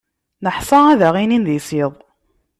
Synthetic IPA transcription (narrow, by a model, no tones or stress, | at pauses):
nəħsˤɑæðæʁininðisiðˤ